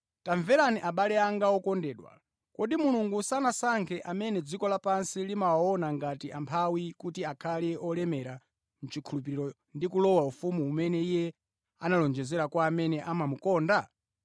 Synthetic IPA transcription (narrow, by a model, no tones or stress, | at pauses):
taɱvɛɾaniʔaɓalɛaŋɡaɔkɔndɛːɗwa̰ | kɔɗimuluŋɡusanasaŋkʰɛʔamɛnɛd͡zikɔlapansilimawaɔnaŋɡatiʔampʰawikutiakʰalɛɔlɛmɛɾa | m̩t͡ʃikʰulupiɾiɾɔ | ndikulɔwaufumuːmɛnɛijɛ | a̰nalɔnd͡ʒɛzɛɾakwaːmɛnɛʔamamukɔːnda